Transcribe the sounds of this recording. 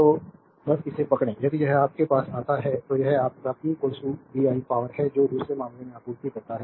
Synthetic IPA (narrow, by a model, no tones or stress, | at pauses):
t̪oː | bɐsɪsepɐkɽ̃ẽjɐd̪ijɐɦɛaːp̚kepaːsaːt̪aɦɛt̪ojɐɦɛaːp̚kaːp̚kikoːsubiːaːipaːʋəɾɦɛd͡ʒoːd̪uːsɾemãːmlemẽaːpuːɾt̪ikɐɾt̪aɦɛː